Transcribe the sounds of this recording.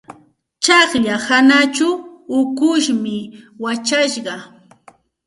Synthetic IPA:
t͡ʃɑχʎahanat͡ʃʊʊkʊʃmɪwat͡ʃaʃɢɑ

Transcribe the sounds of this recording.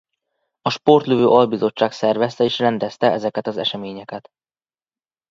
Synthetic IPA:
ɒʃpo̞rt̪løvøːʔɒlbizo̞t͡ʃːaːksɛrvɛst̪ɛeːʃrɛnd̪ɛst̪ɛɛzɛkɛt̪ɒzɛ̰ʃɛmeːɲɛkɛt̪

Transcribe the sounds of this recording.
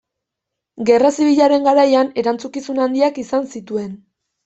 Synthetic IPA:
ɡe̞rasiβ̞iʎaɾe̞ŋɡaɾajane̞ɾant͡sukisunand̪iakisansit̪ue̞n

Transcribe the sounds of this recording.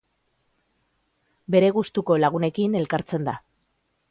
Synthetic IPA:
be̞ɾe̞ɣust̪uko̞laɣ̞une̞kine̞lkaɾt͡se̞nd̪a

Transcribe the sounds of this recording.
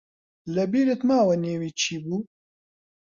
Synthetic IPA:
lɐbiːɾet̪maːwɐneːwiːt͡ʃʰiːbuː

